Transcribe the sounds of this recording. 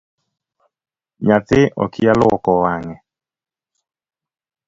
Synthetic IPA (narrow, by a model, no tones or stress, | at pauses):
ɲat̪ɪʔɔ̰kʰijalɔkɔwaŋɛ